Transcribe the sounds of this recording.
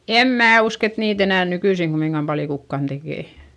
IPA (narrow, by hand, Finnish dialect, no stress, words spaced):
em mæː usk et niːt enæˑn nykyisiŋ ɡ̊umːiŋɡ̊ɑm pɑljo kukːɑn d̥ekeˑ